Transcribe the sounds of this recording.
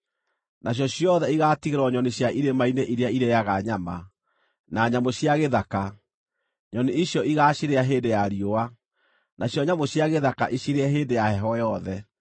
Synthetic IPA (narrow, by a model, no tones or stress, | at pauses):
naɕ̬jɔɕjɔðɛiɣaːtiɣeɾɔɲɔneɕjaʔiɾemaineʔiɾeaiɾejaɣaɲama̰ | naɲamoɕjaɣeðaka | ɲɔneiɕjɔiɣaɕiɾeaɦeːdejaɾioa | naɕjɔɲamoɕjaɣeðaka̰ʔiɕiɾeaɦeːndejahɛɦɔjɔðɛ